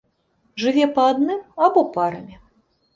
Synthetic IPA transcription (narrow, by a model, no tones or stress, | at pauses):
ʐɨvʲɛpɐːd̪nɨmabɔpaɾɐmʲi